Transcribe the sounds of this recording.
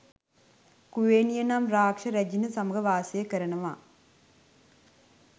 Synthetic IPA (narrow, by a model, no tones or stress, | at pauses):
kuʋeːnijɐnamɾaːkʂɐɾɐd͡ʒinɐsɐmɐɡɐʋaːsɐjɐkɐɾɐɳɐʋa̰ː